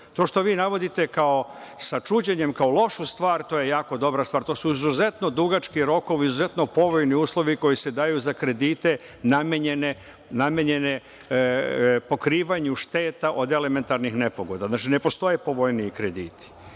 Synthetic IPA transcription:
t̪o̞ːʃt̪o̞ʋiːnaʋo̞d̪it̪e̞kao̞sat͡ʃuːd͡ʑeɲe̞mkaolo̞ʃust̪ʋaːɾt̪o̞ːje̞jaːko̞d̪o̞bɾast̪ʋaːɾt̪o̞ːsuizuze̞t̪no̞d̪uɡat͡ʃkiɾo̞ko̞ʋizuze̞t̪no̞po̞ʋo̞jniuːslˠo̞ʋiko̞jise̞d̪aːjuzakɾe̞d̪iːt̪e̞ | nameɲene | namjeɲene | po̞kɾiːʋaɲuʃt̪e̞ːt̪aʔo̞d̪e̞le̞me̞nt̪aɾnixne̞poɡo̞d̪aznat͡ʃine̞po̞st̪o̞je̞po̞ʋo̞jniikɾed̪ḭːt̪i̥

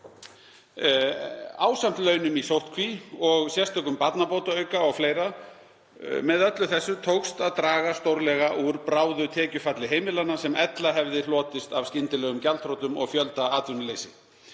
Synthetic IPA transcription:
aːwsam̥t̪lœːɥnʏmisowht̪̚kʰviɔɣsjɛst̪ʰœkʏmpat̪napoːwt̪aœɥkaɔɣfleːjɾa | mɛðœt̪lʏθɛsːʏt̪ʰowkst̪aðt̪ɾaːɣast̪owɾlɛɣaʔuɾpɾaːwðʏt̪ʰɛːcʏfat̪lɪɦeːjmɪlanasɛmɛt̪laɦɛvðɪlɔːt̪ɪst̪avscɪnt̪ɪlɛːɣʏmcalt̪ʰɾowt̪ʏmɔ̰ɣfjœlt̪aaːt̪vʏnʏlejsɪ

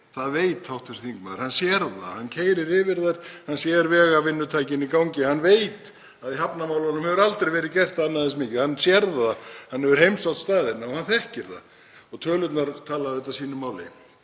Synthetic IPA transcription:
θaðveːjt̪hawht̪fɛsθiŋkmaðɾhanːsjɛɾða̰hanːcʰeːjɾɪɾɪvɪɾðaɾ̥hansjɛːðɾvɛːɣavɪnːʏt̪ʰajcɪnikawɲcɪhanːvejt̪ | aðiɦapnamaːwlɔnʏmhɛvʏɾalt̪ɾejvɛːɾɪðcɛr̥t̪aanːaðɛnsmɪːcɪðhanːsjɛɾðahanːɛvʏɾ̥hejmsawt̪st̪aːðɪt̪naɔhanθɛhcɪɾða̰ | ɔɣt̪ʰœːlʏt̪naɾt̪ʰaːlaðɛt̪asiːnʏmːaːwlɪ̰

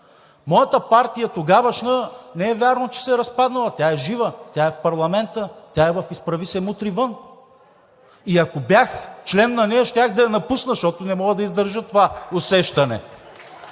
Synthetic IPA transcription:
mɔjɐt̪əpaɾt̪ijɐt̪oɡavɐʃnənɛɛvʲaɾnot͡ʃɛ̥sɛɾɐspad̪nɐlˠɐt̪ʲaɛʒivət̪ʲjaɛfpɐɾlˠɐmɛnt̪ət̪ʲjaɛvɐfispɾɐvisɛmut̪ɾivɤn | iɐkobjaxt͡ʃlɛnːɐnɛjɐʃt̪ʲaxd̪ɐjɐnɐpusnəʃt̪ɔt̪ʊnɛmɔɡəd̪ɐizd̪əɾʒət̪ovaosɛʃt̪ɐnɛ̰

